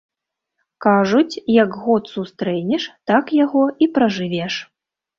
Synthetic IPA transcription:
kaʐut͡sʲjɐɡɣɔt̪sust̪ɾɛnʲɛʂt̪akjaɣɔipɾɐʐɨvʲɛʂ

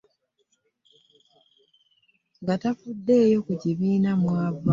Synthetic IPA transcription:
ŋɡatafudːe̞ːjo̞kuciβiːnamwaːβ

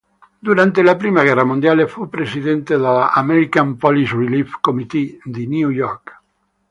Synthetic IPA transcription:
d̪uɾant̪elapɾimaɣ̞ɛramũnd̪jalefupɾesiðent̪eðaameɾikampolisrilifkomit̪id̪injujɔɾk

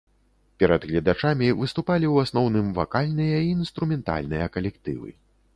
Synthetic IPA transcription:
pʲɛɾɐd̪ɣlʲad̪at͡ʂamʲivɨst̪upalʲiwasnɔwnɨmva̰kalʲnɨjɐiːnst̪ɾumʲɛnt̪a̰lʲnɨjɐkɐlʲɛkt̪ɨ̰vɨ̰

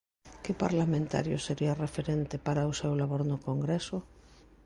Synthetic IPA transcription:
kepa̰ɾlamẽnt̪a̰ɾjʊseɾiarefeɾent̪epaɾaosewlaβoɾnʊkoŋɡɾesʊ

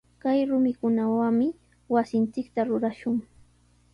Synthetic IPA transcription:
kajɾʊmɪkʊnawamɪ | wasɪnt͡ʃɪkt̪aɾʊɾaʃʊŋ

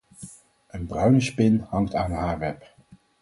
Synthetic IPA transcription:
ənbrœɥnəspɪnhɑŋtaːnɦaːɹʋɛp

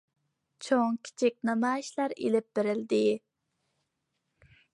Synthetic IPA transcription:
t͡ʃʰoŋkʲʰi̥t͡ʃʰik̚ʲnɑmɑːjiʃlæɾḛlɪp̚beɾɪld̪ɪ

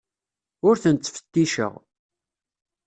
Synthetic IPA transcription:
ʊɾθənt͡s̪ːfə̥t̪ːiʃə̰ʁ

